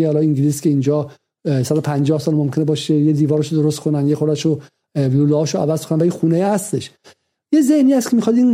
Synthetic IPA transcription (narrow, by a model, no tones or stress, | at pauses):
hɒlɒiŋɟiliskʰʲe̞ind͡ʒɒː | sæd̪opʰænd͡ʒɒːhsɒːlmomkʰenebɒːʃejed̪iːvɒːɾeʃod̪oɾost̪̚kʰonænjexoɾæʃo | viuluɒːʃoævæzkʰonænvæixuːnejhæst̪e̞ʃ | jezehniːæst̪kʰemixɒd̪in